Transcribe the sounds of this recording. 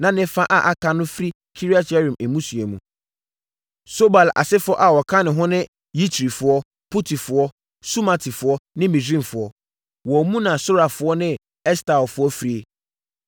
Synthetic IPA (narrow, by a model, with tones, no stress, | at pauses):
nã˨nɪ̃˦fã˦ʔa˨ʔa˨kʰa˨nʊ̃˦fɾi˦ | kʰi˦ɾi˦a˦ta˦ɾĩ˨mɛ˨mũ˦sɥe˨mũ˨ | so˦ba˨la̰˨sɪ˦fʊ˦ɔ˦ʔa˨wɔ˨kʰã˦nɪ̃˨ɦʊ̃˦nɪ̃˦ | ji˦tʰɾi˨fʊ˨ɔ˦ | pʰu˦tʰi˨fʊ˨ɔ˦ | su˦ma˨tʰi˨fʊ˨ɔ˦nɪ̃˦mĩ˨dɾĩ˦˨m˨fʊ˨ɔ˦ | wɔ˨mũ˦nã˨sʊ˦ɾa˨fʊ˨ɔ˦nɪ̃˦ | ɛ˦sta˨lfʊ˨˦ɔ˦fɾi˨e˨